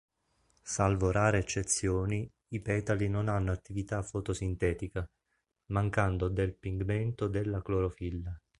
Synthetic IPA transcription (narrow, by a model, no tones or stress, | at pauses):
salvoɾaːɾeːt͡ʃːet̪sːjoːni | ipɛːt̪alinonanːoat̪ːivit̪afot̪osint̪ɛːt̪ika | maŋkand̪od̪elpiŋɡment̪od̪elːakloɾofilːa